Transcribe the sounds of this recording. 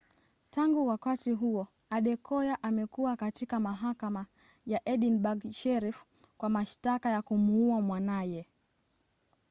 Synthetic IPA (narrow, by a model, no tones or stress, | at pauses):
taŋɡuwakatiɦuɔ | aɗɛkɔjaʔamɛkuwakatikamaɦakama | jaʔɛɗinbaɡʃɛɾif | kwamaʃtakajakumuuamwanajɛ